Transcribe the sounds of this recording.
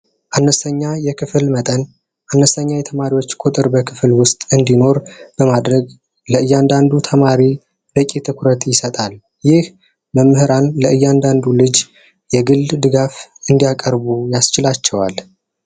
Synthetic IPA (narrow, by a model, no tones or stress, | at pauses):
ʔanːəsəɲːajɛkʰɨfɨlmət̪ʼən | ʔanːəsəɲːajɛt̪ʰəmaɾiwo̞t͡ʃːkʼʊt̪ʼɨɾbəkʰɨflwʊst̪ʼɨnd̪ino̞ɾb̥əmad̪ɾəɡ | ləɨjːand̪and̪ut̪ʰəmaɾi | bəkʼit̪ʰɨkʷʰɾət̪jɪsət̪ʼal | jɪh | bəmɨhɨɾanləɨjːand̪and̪ulɨd͡ʒ | jɛɡɨld̪d̪ɨɡafɨnd̪ijakʼəɾbujast͡ʃɪlat͡ʃːɛwa̰l